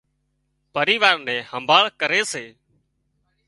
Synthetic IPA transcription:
pəɾiːʋaːɾnɛ̃ːhəmbʱaːɭkəɾeːseː

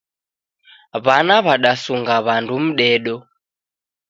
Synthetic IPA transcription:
βanaβaɗasuŋɡaβandum̩ɗɛɗɔ

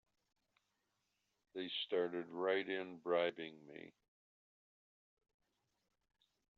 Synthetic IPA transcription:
ðeɪstɑɹɾɨd̚ɹaɪɾɪ̃nbɹaɪbɪ̃ŋmḭ

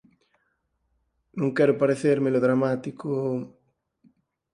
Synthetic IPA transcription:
nũŋkɛɾʊpaɾeθeɾmeloðɾamat̪iko

